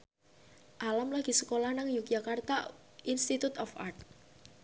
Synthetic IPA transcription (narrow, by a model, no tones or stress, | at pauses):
ʔalamlaɡ̥i̤səkolahnaŋjuk̚d͡ʒakart̪a | ʔinst̪it̪ut̪ɔfa̰rt̪̚